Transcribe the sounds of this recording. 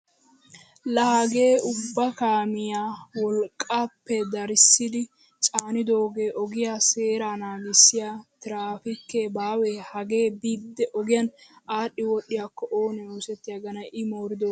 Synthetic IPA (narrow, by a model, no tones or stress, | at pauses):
lɐhɐɡe̞ːʊbːɐkaːmɪjaːwɔlkʼːaːpːɛd̪ɐɾɪsːɪd̪ɪ | t͡ʃʼaːnɪd̪o̞ːɡeːʔɔɡɪjaːse̞ːɾaːnaːɡɪsːɪjaːt̪ɪɾaːfɪkːeːbaːweːhɐɡe̞ːbiːd̪ːɛʔɔɡɪjɐnʔaːɗːɪwɔɗːɪjaːkːɔʔoːnɛoːsɛt̪ːɪjaɡɐnɐʔɪmo̞ːɾɪd̪oː